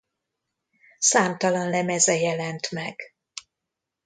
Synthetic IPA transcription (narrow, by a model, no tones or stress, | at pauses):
saːmt̪ɒlɒnlɛmɛzɛjɛlɛnt̪mɛɡ̥